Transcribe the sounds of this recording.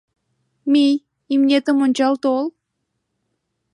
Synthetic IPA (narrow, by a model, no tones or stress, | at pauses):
mʲij | imnʲet̪əmonʲt͡ɕɑlˠt̪olˠ